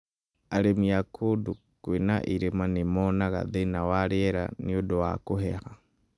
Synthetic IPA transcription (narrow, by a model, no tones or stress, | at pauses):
aɾemiakʰodu | kwena̰ʔiɾemanemɔnaɣa̰ðenawaɾeɛɾa̰niodowa̰kohɛha